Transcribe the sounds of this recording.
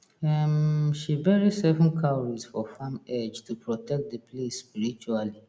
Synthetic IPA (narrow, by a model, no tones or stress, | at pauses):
ɛmʃibɛɹisɛvɔ̃nkʰaɹizfɔfãmɛd͡ʒtʰupʰɹɔtʰɛk̚t̚dəpʰlesspiɹit͡ʃuali